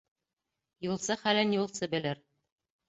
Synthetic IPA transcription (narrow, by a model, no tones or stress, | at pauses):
julˠsɤχælænjulˠsɤbɘ̆lɘɾ